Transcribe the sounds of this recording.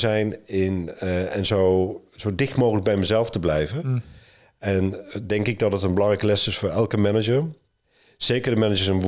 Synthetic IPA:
zɛjnɪnɛnzowz̥owdɪxtmoːxələk̚bɛjməzɛlˠftəblɛjvən | ɛndɛŋkɪɡ̚dɔtdətənbəlɑŋrɛjkəlɛsɪsfoːrɛlˠkəmɛnəd͡ʒərm | z̥eːkəɹdəmɛnəd͡ʒəsən

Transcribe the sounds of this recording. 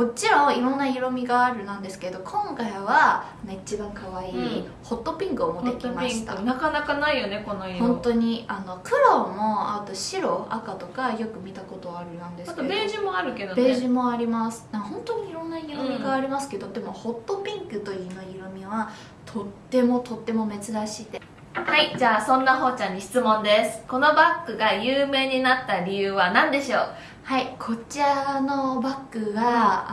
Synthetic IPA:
mo̞t͡ɕiɾõ̞iɾõ̞nːaiɾo̞mʲiɡaːɾɯ̟nãnd̪e̞sɨ̥ke̞d̪o̞kʰõ̞ŋkaiβ̞a | noit͡ɕibãŋkaβaiː | ho̞t̪ːo̞pʲĩŋkɯ̟omo̞d̪e̞t̪ʲmai̥t̪a̰nakanakanaijone̞konojõ̞nt̪o̞ɲ̟iano̞kɯ̟ɾo̞ːmo̞at̪o̞ɕiɾo̞a̰kat̪o̞kajo̞kɯ̟mʲit̪ako̞t̪o̞aɾɯ̟nãnd̪eseʑimoaɾɯ̟ke̞d̪obe̞ːʑimo̞aɾʲimasɨ̥nãhõ̞nt̪o̞ɲ̟iːɾõ̞nːaiɾomʲiɡaːɾʲimasɨ̥ke̞d̪o̞d̪e̞mo̞ho̞t̪ːo̞pʲĩŋkɯ̟t̪o̞inoiɾomʲiβa | t̪ʰo̞t̪ːe̞mo̞t̪o̞t̪ːe̞mo̞me̞t͡sɨd̪aɕit̪e | haid͡ʑaːsõ̞nːaɦo̞ːt͡ɕãɲ̟ːiɕi̥t͡sɨmõ̞nd̪e̞sɨ̥ko̞no̞bakːɯ̟ɡajɯːme̞ːɲ̟inat̪ːaɾʲijɯ̟ːβanãnd̪e̞ɕo̞ː | haikʰo̞t͡ɕiano̞bakːɯ̟ɡa

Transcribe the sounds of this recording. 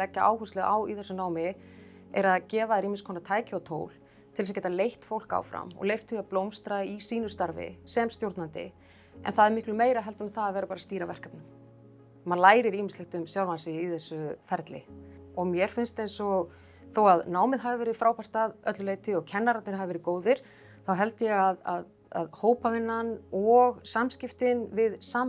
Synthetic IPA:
lɛcːaʔa̰ːwhust̪lɛɣaːwiθɛsːʏnaːwmɪ | ɛɾaðcɛːvaðɛɾiːmɪnskʰɔːnat̪ʰaːjcɪawt̪ʰoːwl̥ | t̪ʰɪls̬acɛːt̪alejht̪fowl̥ka̰ːwfɾa̰mɔ̰ɣlejft̪ʰʏaplowmst̪ɾaisiːnʏst̪aɾvɪ̰sɛmst̪jowɾt̪nant̪ɪ̰ | ɛ̰nθaðɛɾmɪhklʏmeːjɾaɦɛlt̪anɪθaðaðvɛːɾapaɾast̪iːɾavɛr̥kapnʏm | manlaːjɾɪɾiːmɪnslɪht̪ʏmsjawlvansɪjiθɛsːʏfɛɾt̪lɪ̰ɔɣmjɛɾ̥fɪnst̪ejnsɔɣ | θowaðnaːwmɪðɦavɪvɛːɾɪfɾaːwpar̥t̪aðœt̪lʏleːjt̪ɪɔɣcʰɛnːaɾat̪nɪɾ̥havɪvɛɾɪkoːwðɪɾ̥ | θawɦɛlt̪ɪjɛɣaða̰ð | a̰ðhoːwpavɪnːanɔɣsamscɪft̪ɪnvɪðsaːm

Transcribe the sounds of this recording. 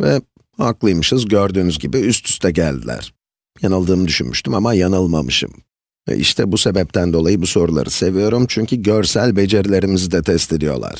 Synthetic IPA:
vɛ | aklˠɯjmɯʃɯzɟøɾd̪yːnyzɟibiyst̪ʰy̥st̪ʰɛɟælʲd̪ḭlʲæ̰ɾ̥ | janɯlˠd̪ɯːmɯd̪yʃynmyʃt̪ʰymamajanɯlˠmamɯʃɯ̰m | vɛ̰ʔḭʃt̪ʰɛbuse̞bɛp̚t̪ʰænd̪o̞lˠajɯbuso̞ɾulˠa̰ɾɯse̞vijo̞ɾumt͡ʃʰyɲcʰyɟøɾsælʲbe̞d͡ʒe̞ɾilʲe̞ɾimizid̪ɛt̪ʰɛst̪ʰed̪ijo̞̰lˠa̰ɾ̝̥

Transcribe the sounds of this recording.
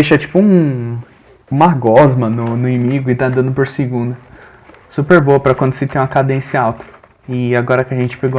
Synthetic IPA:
d̪eʃɐt͡ʃi̥pʊũ | ũmaɡɔzmɐnʊnʊimiɡʊɪt̪ãnd̪ɐ̃nd̪ʊpoɾseɡũnd̪ɐ | supeɾboɐpɾɐkwɐ̃nd̪ʊsɪt̪ẽj̃ũɐkad̪ẽsɐawt̪ɐ̥ | ɪaɡɔɾɐkɪaʒẽnt͡ʃɪ̥peɡo

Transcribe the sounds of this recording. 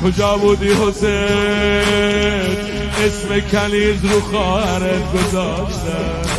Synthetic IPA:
kʰod͡ʒɒːbuːd̪iːɦose | esmekʰæliːzɾuːxɒːhæɾet̪ɡozɒːʃt̪æ

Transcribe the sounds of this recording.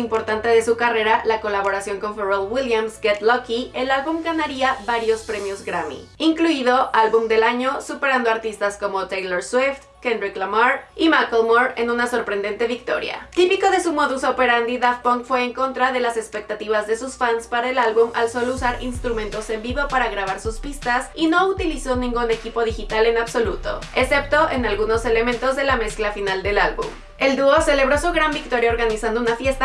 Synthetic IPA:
impo̞ɾt̪ant̪eðe̞sukare̞ɾalako̞laβo̞ɾasjo̞ŋko̞ɱfeɾolwiljamsɡet̪lokie̞lalβumɡanaɾiaβaɾjo̞spɾe̞mjo̞zɡɾamḭiŋkluiðo̞ʔalβumd̪e̞laɲo̞supe̞ɾand̪o̞aɾt̪ist̪asko̞mo̞t̪ejloɾswift̪kend̪ɾiklamaɾimakelmoɾe̞̰nũnaso̞ɾpɾe̞nd̪e̞nt̪e̞βik̚t̪o̞̰ɾja̰t̪ipiko̞ðe̞sumo̞ðusope̞ɾand̪iðafpoŋkfwe̞ːŋko̞nt̪ɾaðe̞lase̞spe̞k̚t̪at̪iβ̞azðe̞susfanspaɾaelalβuma̰lso̞lousaɾinst̪ɾumẽnt̪o̞se̞mbiβo̞paɾaɣɾaβ̞aɾsuspist̪asino̞ut̪iliso̞nĩŋɡune̞kipo̞ð̞ixit̪ale̞naβso̞lut̪o̞̰e̞se̞pt̪o̞ʔenalɣuno̞se̞le̞mẽnt̪o̞zðe̞lame̞sklafinald̪e̞lalβṵm | e̞ld̪uose̞le̞β̞ɾo̞suɣɾambik̚t̪o̞ɾjaoɾɣanisand̪ounafje̞st̪a

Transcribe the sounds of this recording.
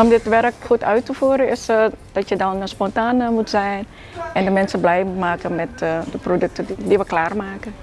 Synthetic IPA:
ɔmdɪtʋɛrkxutœɥtəfuːəɾənɪsd̥ɔtjədɔnəspɔntaːnəmutsɛjn | ɛndəmɛnsəblɛjmutmaːkənmɛtdəprodøk̚tədiʋəklaːrmaːkən

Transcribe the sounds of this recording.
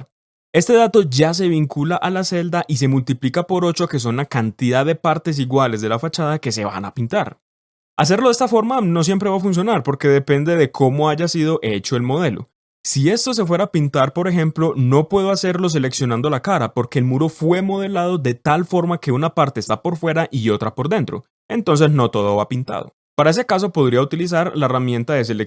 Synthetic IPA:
e̞st̪e̞ð̞at̪o̞d͡ʒas̬e̞βiŋkulaʔalase̞ld̪aʔis̬e̞mult̪iplikapo̞ɾo̞t͡ʃoke̞s̬o̞nlakant̪ið̞aðːe̞paɾt̪e̞s̬iɣwale̞zd̪e̞lafat͡ʃað̞ake̞se̞βa̰na̰pint̪aɾ | as̬eɾloe̞st̪afo̞ɾmano̞s̬je̞mpɾe̞βafuns̬jo̞naɾpo̞ɾke̞ðe̞pe̞nd̪e̞ðe̞kʰo̞mo̞aʝasiðo̞ʔe̞t͡ʃo̞e̞lmo̞ð̞e̞lo̞̰ | sie̞st̪o̞s̬e̞fwe̞ɾapint̪aɾpo̞ɾe̞xe̞mplo̞no̞pwe̞ð̞oase̞ɾlo̞s̬e̞le̞ksjonãnd̪olakaɾapo̞ɾke̞ːlmuɾo̞fwe̞mo̞ð̞e̞lað̞o̞ðe̞t̪alfo̞ɾmake̞unapaɾt̪e̞ːst̪apo̞ɾfwe̞ɾaʔio̞t̪ɾapo̞ɾd̪e̞nt̪ɾo̞̰ | e̞nt̪o̞ns̬e̞zno̞t̪o̞ðo̞βapint̪a̰ð̞o̞̰ | paɾae̞s̬ekas̬o̞po̞ðɾiaut̪ilis̬aɾlaeramjẽ̞nt̪aðe̞s̬e̞le

